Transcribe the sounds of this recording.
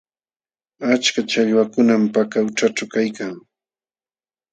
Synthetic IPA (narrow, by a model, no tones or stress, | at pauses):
at͡ʃkat͡ʃaʎwakʊnampakawʈ͡ʂaʈ͡ʂawkajkaŋ